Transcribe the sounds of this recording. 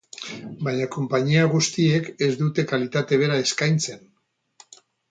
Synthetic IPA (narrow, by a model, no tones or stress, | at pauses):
bajɲako̞mpaɲiaɣust̪ie̞ke̞zd̪ut̪e̞kalit̪at̪e̞β̞e̞ɾae̞skajnt͡se̞n